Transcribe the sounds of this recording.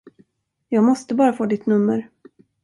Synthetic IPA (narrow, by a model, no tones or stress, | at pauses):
jɑːɡmɔst̪əbɑːɾafoːd̪ɪt̪nɵmːəɾ